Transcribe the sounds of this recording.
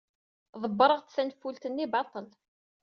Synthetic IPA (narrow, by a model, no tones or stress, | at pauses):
ðˤəbːɾˤəʁt̪θænfːult̪ənːibɑt̪ˤəl